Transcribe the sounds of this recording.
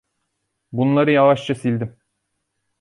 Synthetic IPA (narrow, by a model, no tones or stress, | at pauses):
bunlˠaɾɯjɑlˠaʃt͡ʃasilʲd̪im